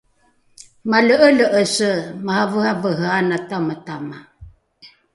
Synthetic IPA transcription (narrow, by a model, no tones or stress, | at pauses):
maləʔələʔəsəmahavəhavəɦəanatamətama